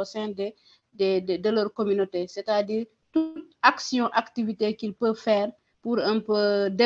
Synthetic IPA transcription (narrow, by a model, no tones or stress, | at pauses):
ɔsɛ̃ndɛ | dɛddɛləːɾkomynotesɛtadiːɾ | tut̚aksijɔ̃ʔaktivitekilpəfɛːɾ | puɾəmpədɛ